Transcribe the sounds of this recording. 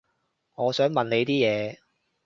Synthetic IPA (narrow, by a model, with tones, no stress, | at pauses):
ŋɔː˨˧sœː˨˥ŋmɐ˨nne˨˧jt̪iː˥jɛː˨˧